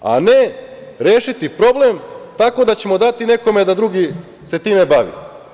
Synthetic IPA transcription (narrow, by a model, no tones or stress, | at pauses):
a̰ne̞ | ɾeːʃit̪ipɾo̞blemt̪ako̞d̪at͡ɕe̞mo̞d̪at̪ine̞ko̞me̞d̪ad̪ɾuɡi | se̞t̪iːmebaʋḭ